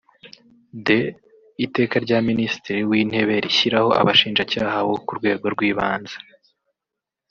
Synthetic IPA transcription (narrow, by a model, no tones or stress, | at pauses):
de̞ | ite̞ːkaɾɟaːminisi̥tiɾiwiːn̥he̞βe̞ɾiçiɾaho̞ʔa̰βaʃiːnʒacaːhaβo̞kuɾɡwe̞ːɡo̞ɾɡwiːβaːnzḁ